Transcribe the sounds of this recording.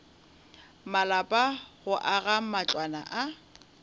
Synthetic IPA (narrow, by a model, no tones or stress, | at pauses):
malapʼaɣʊʔaɣamat͡ɬʼwana̰ʔa